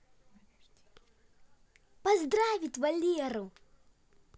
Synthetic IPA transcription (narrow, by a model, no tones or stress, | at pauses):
pazd̪ɾaːvit̪valːiaɾow